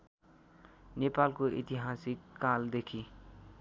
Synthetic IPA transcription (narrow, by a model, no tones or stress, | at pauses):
nepalkoʔḭt̪iɦasikːald̪ekʰi